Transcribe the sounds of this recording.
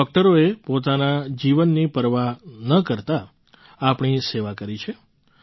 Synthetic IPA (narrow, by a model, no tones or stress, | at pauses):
ɖɔk̚ʈəɾoepot̪anad͡ʒiʋənːipəɾʋanəkəɾt̪a | apɳiseʋakəɾit͡ʃʰe